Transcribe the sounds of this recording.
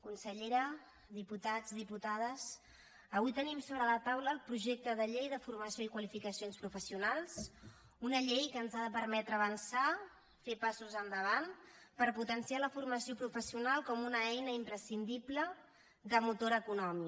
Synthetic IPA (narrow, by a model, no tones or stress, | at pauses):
kunsəʎeɾə | ðiput̪ad͡zðiput̪að̞əs | əβujt̪ənimsoβɾələt̪awləːlˠpɾuʒek̚t̪əðəʎejðəfurməsioikwəlifikəsionspɾufəsiunalˠs | unəʎejkəːnzaðəpəɾmɛt̪ɾəːβənsa | fepasuzənd̪əβ̞anpəɾput̪ənsialəfurməsiopɾufəsiunalˠkɔmunəɛjnəimpɾəsind̪iblə | ðəmut̪oɾəkunɔmi